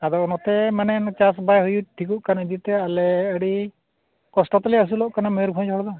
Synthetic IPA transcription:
ad̪ɔnɔt̪ɛmanɛnt͡ʃasbajɦujuʈʰikuʔkanaid̪it̪ɛalɛəɽi | kɔsʈɔt̪aliəs̬ulɔʔkanameɾbʰɔ̃d͡ʒɦɔɽɔd̪ɔ

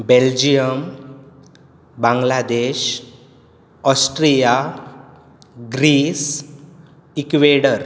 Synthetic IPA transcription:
beld͡ʑijəm | bãŋɡlad̪eɕ | ɔsʈɾija | ɡɾiːs | ikʋeɽəɾ

